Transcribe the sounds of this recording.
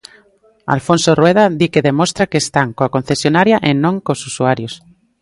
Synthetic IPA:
a̰lfonsorweðaðikeðemost̪ɾakeːst̪aŋkoakon̟θesjonaɾjaʔenõŋkosusuaɾjos

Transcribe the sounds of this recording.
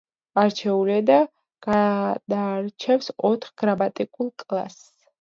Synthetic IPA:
aɾt͡ʃʰɛuliad̪a | ɡ̥ad̪aɾt͡ʃʰɛfsɔt̪ʰχɡ̥ɾabat̪ʼikʼulˠkʼlˠa̰s

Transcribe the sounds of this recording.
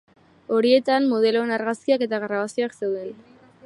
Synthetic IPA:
o̞ɾie̞t̪ammoð̞e̞loenaɾɣaskiake̞t̪aɣɾaβ̞asio̞akse̞wðe̞n

